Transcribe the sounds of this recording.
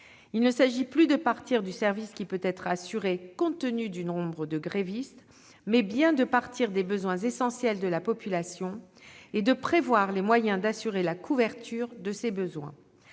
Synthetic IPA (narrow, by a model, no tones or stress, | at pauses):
ilnəsaʒiplyd̪əpaʁt̪iʁd̪ysɛʁviskʲipøt̪ɛt̪χasyʁekɔ̃t̪ənyd̪ynɔ̃bʁəd̪əɡʁevist̪ | mɛbjɛ̃d̪əpaʁt̪iʁd̪ebəzwɛ̃zesɑ̃sjɛld̪əlapɔpylasjɔ̃ed̪əpχevwaʁlemwajɛ̃d̪asyʁelakʰuvɛʁt̪ʰyʁd̪əsebəzwɛ̰̃